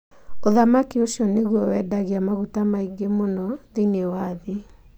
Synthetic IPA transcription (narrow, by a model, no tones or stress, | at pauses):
oðamakioʃjɔneɣuɔwɛdaɣiamaɣutamaiŋɡemonɔðinewaði